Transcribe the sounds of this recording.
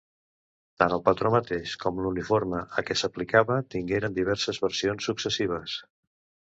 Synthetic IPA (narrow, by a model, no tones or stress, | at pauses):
t̪anəlˠpət̪ɾomət̪eʃkɔmlunifoɾməʔəkɛsəplikaβət̪iŋɡeɾənd̪iβ̞ɛɾsəzβəɾsionsːuksəsiβ̞əs